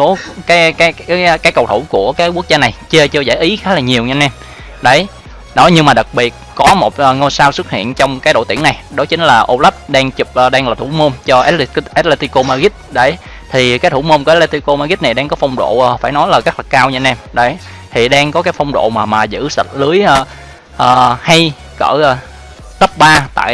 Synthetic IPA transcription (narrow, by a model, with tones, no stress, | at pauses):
o˨˦kaː˨˦jkaː˨˦jːkaː˨˦jkə˧˨˩wt̪ʰu˧˩wku˧˩əkaː˨˦jku˦˥k̚zaː˧na˨˩jt͡ɕə˧t͡ɕɨ˧zaː˧˩˨jʔi˨˦xaː˨˦laː˨˩ɲi˨˩əwɲɨ˧nʔɛ˧m | ɗə˨˦j | nɔ˨˦jɲɨ˧ŋmaː˨˩ɗa˨˩k̚ɓi˨˩ət̚kɔ˨˦mo˨˩t̚ʔːŋo˧jsaː˧wsɨ˦˥t̚hḭ˧˨ənt͡ɕɔ˧wŋ͡mkaː˨˦jɗo̰˧˨t̪i˧˩əna˨˩jɗo˨˦t͡ɕï˨˦ŋ̟laː˨˩ʔo˧la˦˥p̚ɗaː˧ŋt͡ɕu˨˩p̚ʔːɗaː˧ŋlaː˨˩t̪ʰṵ˧˩˦mo˧mt͡ɕɔ˧ʔɛ˦˥tʔɛ˦˥t̚le˧t̪i˧ko˧maː˧ɣi˦˥t̚ɗə˨˦j | t̪ʰi˨˩kaː˨˦jt̪ʰu˧˩˦mo˧nkːʔɛ˦˥tle˧t̪i˧ko˧maː˧ɣi˦˥t̚na˨˩jɗaː˧ŋkɔ˨˦fɔ˧wŋ͡mɗo̰˧˨˩faː˧˩jnɔ˨˦jlaː˨˩ɣa˦˥la˨˩kaː˧wɲɨ˧nʔɛ˧mɗə˨˦j | t̪ʰi˨˩ɗaː˧ŋkɔ˨˦kaː˨˦jfɔ˧wŋ͡mɗo̰˧˨maː˨˩maː˨˩zɨ̰˧˥sə̰˨˩t̚lɨ˨˦əjʔː | ʔəː˨˩ha˧j | kə̰ː˧˩ʔ | t̪ə˦˥p̚ɓaː˧t̪a̰ː˧˨j